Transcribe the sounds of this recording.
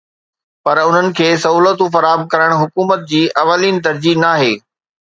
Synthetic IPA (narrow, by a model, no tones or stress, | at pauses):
pɐɾʊn̤ənɪ̆kʰeːsɐɦuːlət̪ũfɐɾaːɦəmkɐɾəɽ̃ɦʊkuːmət̪̚d͡ʑiːʔɐʋəliːn̆t̪̬ɐɾd͡ʑinaːɦeː